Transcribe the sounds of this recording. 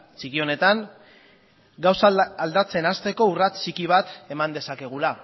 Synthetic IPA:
t͡ʃikio̞ne̞t̪aŋ | ɡawsald̪at͡se̞nast̪e̞ko̞urat͡sikiβ̞at̪e̞mand̪e̞sake̞ɣ̞ula

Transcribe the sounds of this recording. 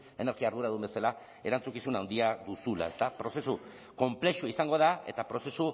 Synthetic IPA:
e̞ne̞ɾɣiaːɾð̞uɾaðumbe̞sala | e̞ɾant͡sukisunawnd̪iaðusula̰e̞st̪apɾo̞se̞su | ko̞mple̞ʃuisaŋɡo̞ð̞ae̞t̪apɾo̞se̞su

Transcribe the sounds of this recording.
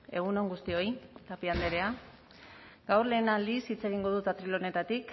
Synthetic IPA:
e̞̰ɣ̞uno̞ŋɡust̪io̞jt̪apiand̪e̞ɾe̞a | ɡawrle̞ːnalisit͡se̞ɣ̞iŋɡo̞ðut̪at̪ɾilo̞ne̞t̪at̪ik

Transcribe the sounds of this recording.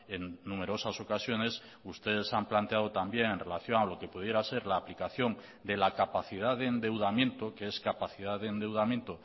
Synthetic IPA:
e̞ŋnũme̞ɾo̞saso̞kasjo̞ne̞s | ust̪e̞ðe̞samplant̪eaðo̞t̪ambje̞ŋenre̞laθjo̞ŋalo̞ke̞puð̞je̞ɾase̞ɾlaːplikaθjo̞ŋ | d̪e̞lakapaθiðaðeːnd̪e̞wðamjẽ̞nt̪okeeskapaθiðaðeːnd̪e̞wðamjent̪o

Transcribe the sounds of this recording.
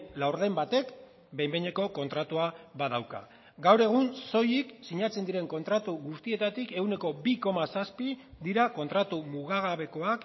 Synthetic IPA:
lawɾðe̞mbat̪e̞k | be̞jmbeɲeko̞ko̞nt̪ɾat̪uaβaðawka̰ | ɡawɾe̞ɣ̞unso̞jiksiɲat͡se̞nd̪iɾe̞ŋko̞nt̪ɾat̪uɣust̪ie̞t̪at̪ike̞wne̞ko̞biko̞masaspid̪iɾako̞nt̪ɾat̪umuɣ̞aɣaβe̞ko̞ak

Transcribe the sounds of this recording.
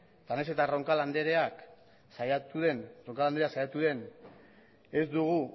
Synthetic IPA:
t̪aneset̪aroŋkaland̪eɾeak | sajat̪uðe̞nro̞ŋkaland̪ee̞aksajat̪uðe̞n | e̞zd̪uɣ̞u

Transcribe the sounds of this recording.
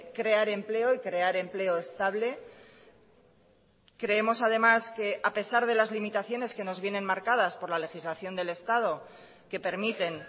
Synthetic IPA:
kɾe̞aɾe̞mple̞o̞ikɾe̞aɾe̞mple̞oest̪aβle̞ | kɾe̞e̞mo̞sað̞e̞maske̞ʔape̞saɾðe̞lazlimit̪aθjo̞ne̞ske̞no̞zβje̞nẽ̞nmaɾkað̞aspo̞ɾlale̞xizlaθjo̞nd̪e̞le̞st̪að̞o̞ | ke̞pe̞ɾmit̪e̞n

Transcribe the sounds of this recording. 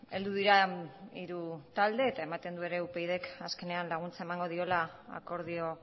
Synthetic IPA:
e̞ld̪uðiɾaiɾut̪ald̪e̞ːt̪ae̞mat̪e̞nd̪ue̞ɾe̞upe̞jðe̞kaske̞ne̞anlaɣ̞unt͡sae̞maŋɡo̞ð̞io̞laa̰ko̞ɾðio̞

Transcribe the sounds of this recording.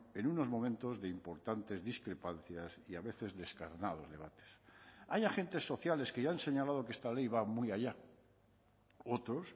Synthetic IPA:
e̞nuno̞zmõ̞mẽnt̪o̞zðe̞impo̞ɾt̪ant̪e̞zðiskɾe̞pan̟θjasiaβ̞e̞θe̞zðe̞skaɾnað̞o̞zðe̞β̞at̪e̥sajaxe̞nt̪e̞sːo̞θjale̞ske̞ʝanse̞ɲalað̞o̞keest̪ale̞jβamujaʎa | ot̪ɾo̞s

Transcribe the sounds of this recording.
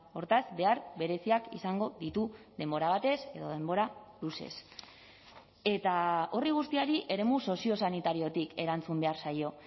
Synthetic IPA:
o̞ɾt̪azbe̞aɾβe̞ɾe̞siakḭsaŋɡo̞ðit̪uðe̞mbo̞ɾaβat̪e̞se̞ðo̞ðe̞mbo̞ɾaluse̞̰s | e̞t̪ao̞riɣ̞ust̪iaɾiʔe̞ɾe̞muso̞sio̞sanit̪aɾio̞t̪ike̞ɾant͡sumbe̞aɾsajo̞

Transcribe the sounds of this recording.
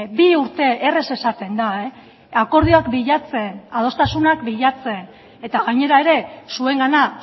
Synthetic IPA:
biuɾt̪e̞ere̞se̞sat̪e̞nd̪ae | ako̞ɾð̞ioakbiʎat͡se̞nað̞o̞st̪asunakbiʎat͡se̞n | e̞t̪aɣaɲe̞ɾae̞ɾe̞sue̞ŋɡana

